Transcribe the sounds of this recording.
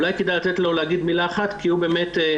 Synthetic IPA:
ulajkedajlat̪et̪lo̞leaɡid̪milaːχat̪kiubeːmete

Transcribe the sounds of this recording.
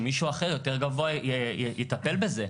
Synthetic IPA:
miʃuːaχejo̞t̪eʁɡavoaejet̪ape̞lbe̞ze

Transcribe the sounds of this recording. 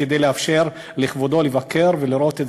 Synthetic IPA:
ed̪ejleafʃe̞ʁ | liχvod̪o̞levake̞ʁveliɾo̞t̪e

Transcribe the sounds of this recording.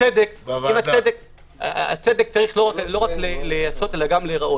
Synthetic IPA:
ed̪ekimat͡sed̪ek | aa̰t͡sed̪e̞k̚t͡saʁiχloʁaklo̞ʁaklelejaso̞t̪e̞laɡamleʁaʔo

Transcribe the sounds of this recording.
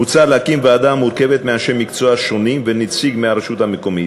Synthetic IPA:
ut͡salakimvɛad̪amuɾkɛvɛt̪meaʃɛmːikt͡sʰoaʃonimvɛnit͡sʰiɡmɛaɾaʃut̪amekomi

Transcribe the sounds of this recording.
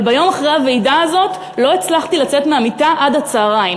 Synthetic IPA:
bajo̞maχʁejave̞jdaːzo̞t | lo̞et͡slaχtilat͡setmeamitaʔadat͡saːʁaj

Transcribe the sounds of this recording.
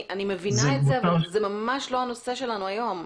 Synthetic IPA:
animevinaetzeavalzemamaʃlo̞ɦano̞seʃe̞lanuajo̞m

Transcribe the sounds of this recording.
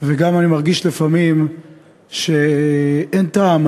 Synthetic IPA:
veɡamanimaʁɡiʃlefamim | ʃe | entaːm

